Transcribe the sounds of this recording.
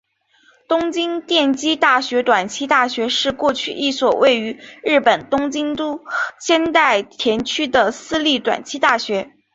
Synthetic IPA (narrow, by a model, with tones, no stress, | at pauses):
t̪ʊ˥ŋt͡ɕi˥ŋt̪jɛ˥˩nt͡ɕi˥t̪a˥˩ɕɥɛ˧˥t̪wa˨˩nt͡ɕʰi˥t̪a˥˩ɕɥɛ˧˥ʂɻ̩˥˧kwɔ˥˧t͡ɕʰy˥˩ʔi˥˩swɔ˨˩wʔe˥˩ɪy˧˥ɻɻ̩˥˩pə˨˩nt̪ʊ˥ŋt͡ɕi˥ŋt̪u˥ɕjɛ˥nt̪a˥˩ɪt̪ʰjɛ˧˥nt͡ɕʰy˥d̪ə˨sɹ̩˥li˥˩t̪wa̰˨˩nt͡ɕʰi˥t̪a˥˩ɕɥɛ˧˥